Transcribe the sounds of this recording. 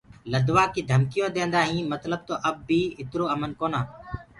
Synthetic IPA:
ləd̪ʋaːkiːd̪ʱəmkɪjõːd̪ẽːnd̪aːɦĩːmət̪ləb̚t̪oːʔəbːiːɪt̪ɾoːəmənkoːnãː

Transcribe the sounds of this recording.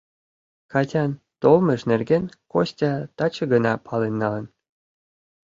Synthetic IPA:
kɑtʲɑn | t̪olmə̆ʃnerɡenkosʲtʲɑt̪ɑt͡ɕə̆ɡənɑpʰɑlenːɑlə̆n

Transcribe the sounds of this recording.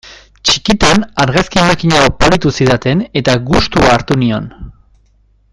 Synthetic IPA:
t͡ʃi̥kit̪enaɾɣaskiemakiɲaopaɾit̪usiðat̪e̞ne̞t̪aɣust̪uaːɾt̪unio̞n

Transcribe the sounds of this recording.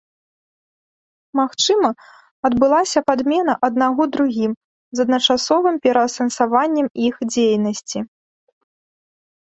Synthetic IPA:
maxt͡ʂɨmɐ | ɐd̪bɨlˠasʲɐpad̪mʲɛnɐʔɐd̪̚naɣɔd̪ɾuɣʲim | zɐd̪nɐt͡ʂasɔvɨmpʲɛɾɐːsɐnsavanʲːɛmixd͡zʲejnɐsʲt͡sʲi

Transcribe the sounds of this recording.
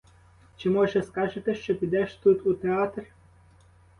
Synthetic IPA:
t͡ʃimɔʒeskaʒet̪eʃt͡ʃepʲid̪ɛʃt̪ut̪ut̪ʲeat̪rʲ

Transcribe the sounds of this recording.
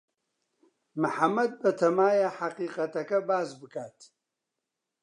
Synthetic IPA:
mɨħamɐd̚bɐtʰɐmaːjaħaqʼiːqʼɐtʰɐkʰʼɐbaːzbɨkʰʼaːtʰ

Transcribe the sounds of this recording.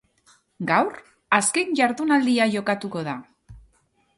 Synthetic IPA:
ɡawɾ | aske̞ɲʝaɾðunald̪iaʝo̞kat̪uko̞ða

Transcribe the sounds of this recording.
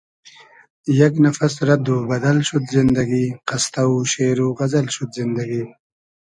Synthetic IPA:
jaɡnafasɾad̪ubɐd̪alʃud̪zɪnd̪aɡiqast̪awuʃeɾuʁazalʃud̪zɪnd̪aɡi

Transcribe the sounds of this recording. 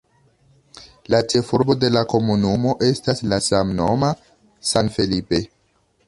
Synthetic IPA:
lat͡ʃe̞fuɾbo̞de̞lako̞munumo̞ʔe̞staslasamno̞ma | sanfelipe̞

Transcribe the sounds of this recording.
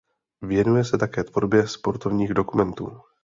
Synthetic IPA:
vjɛnujɛsɛt̪akɛːt̪v̥o̞ɾbjɛspo̞ɾt̪o̞vɲiːɣdo̞kumɛnt̪ṵː

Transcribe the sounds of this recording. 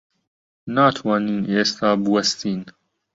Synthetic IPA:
naːt̪ʰwaːniːnʔeːst̪aːbɨwɐst̪iːn

